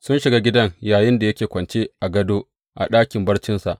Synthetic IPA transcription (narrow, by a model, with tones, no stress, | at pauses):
sʊ˦nʃɪ˨ɡaː˦ɡʲɪ˦dɐ˦ŋjaː˨jɪ˦nda˨jɐ˦kʲeː˨kʷɐ˨nt͡ʃeː˦ʔa˨ɡɐ˦doː˦ | ʔa̰˨ɗaː˦kʲɪ˨mbɐ˦rt͡ʃɪ˦nsa˨ʔ